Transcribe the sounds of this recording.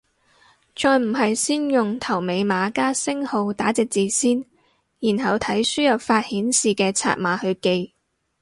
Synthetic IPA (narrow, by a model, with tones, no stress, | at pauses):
t͡sɔː˨jm̩˨˩ɦɐ˨jsiː˥njʊ˨ŋt̪ʰɐ˨˩wme˨˧jmaː˨˧kaː˥sɪ˥ŋho˧wt̪aː˨˥t͡sɪ˨k̚t͡siː˨˧siː˥n | jiː˨˩nɦɐ˨wt̪ʰɐ˨˥jsyː˥jɐ˨p̚faː˧t̚hiː˨˥nsiː˨kɛː˧t͡sʰa̰ː˧˨t̚maː˨˧˥hɵ˧ɥke˧j